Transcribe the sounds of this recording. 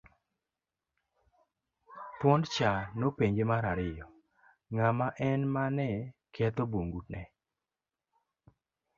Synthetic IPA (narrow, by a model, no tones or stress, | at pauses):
t̪wɔnt͡ʃanopeɲd͡ʒemaɾaɾɪjɔ | ŋamaʔɛnmanɛkʰɛt̪oboŋɡutnɛ